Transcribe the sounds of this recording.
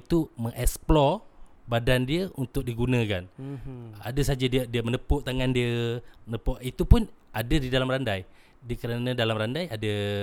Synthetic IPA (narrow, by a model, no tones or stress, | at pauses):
t̪uməŋʔɛksplɔr | badandiəunt̪ʊk̚diɡunə̃kan | a̰dəsad͡ʒadiədiəmənəpʊʔt̪aŋandiəənəpoʔit̪upʊnadədidalamrandaj | dkəɾanə̃dalamrandajadə